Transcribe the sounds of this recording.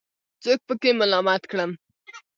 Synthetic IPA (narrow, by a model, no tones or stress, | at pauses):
t͡sok̚pəkemalɑmat̪kɽəm